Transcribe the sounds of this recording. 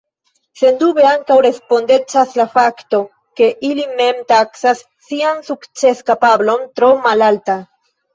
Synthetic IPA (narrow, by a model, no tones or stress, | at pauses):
se̞ndube̞aŋkawɾe̞spo̞nde̞t͡ʃaslafakto̞ | ke̞ʔilime̞mtaksasːiansukt͡se̞skapablo̞ntɾo̞malalta